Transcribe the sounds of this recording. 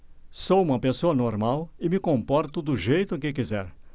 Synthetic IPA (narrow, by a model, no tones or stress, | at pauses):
sowũmɐpesoɐnoɾmawɪmɪkõmpɔɾt̪ʊd̪ʊʒejt̪ʊkɪkizɛ̰ɾ